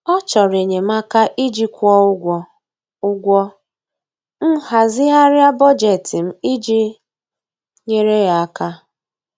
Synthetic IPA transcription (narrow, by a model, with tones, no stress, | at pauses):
ɔ˦t͡ʃɔ˨ɾe˨ɲe˨m̩a˦ka˦ʔi˦d͡ʒi˦kʷɔ˦ɡʷɔ˦ | ʊ˦ɡʷɔ˦ | n̩˦ha˨zɪ˦a˦ɾja˦bɔ˦d͡ʒe˨tɪ˨m̩˦i˦d͡ʒi˦ | ɲe˦ɾe˦ja˨a˦ka˦